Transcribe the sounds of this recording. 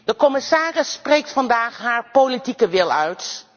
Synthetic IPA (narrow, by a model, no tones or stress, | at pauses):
dəkɔmɪsaːrɪsːprejk̚tfɑndaːχɦaːɹpolitikəʋɪlˠœɥt